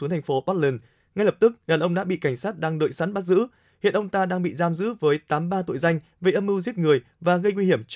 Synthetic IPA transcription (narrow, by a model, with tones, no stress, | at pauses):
ŋt̪ʰa˨˩ŋ̟fo˨˦ɓɔː˦˥t̚lə˨˧˩n | ŋa˧jlə˨˩p̚t̪ɨ˦˥k̚ɗaː˨˩nʔə˧wŋ͡mɗa̰˧˥ɓḭ˧˨ka˧˩jŋ̟saː˦˥t̚ɗaː˧ŋɗə̰˧˨jsa˨˦˥nɓa˦˥t̚zɨ̰˧˥ | hḭ˧˨ənʔə˧ŋ͡mt̪aː˧ɗaː˧ŋɓḭ˧˨zaː˧mzɨ̰˧˥vəː˨˦jt̪aː˨˦mɓaː˧t̪o̰˧˨jza˧jŋ̟ | ve˨˩ʔə˧mʔɨ˧wzi˦˥ət̚ŋɨ˨˩əj | vaː˨˩ɣə˧jŋwi˧hi˧˩əmt͡ɕ